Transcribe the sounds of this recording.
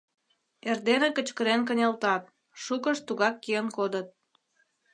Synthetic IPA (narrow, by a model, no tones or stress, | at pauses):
erd̪enekət͡ɕkəɾenk̬ənʲɑlt̪ɑt̪̚ | ʃukəʃt̪uɣɑkːijənkod̪ət̪̚